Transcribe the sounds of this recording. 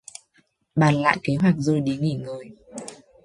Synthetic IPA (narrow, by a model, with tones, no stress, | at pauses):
ɓaː˨˩nla̰ː˧˨jke˨˦ɦwa˨˩k̚zo˧˩jɗi˨˦ŋi˧˩ŋɨː˨˩j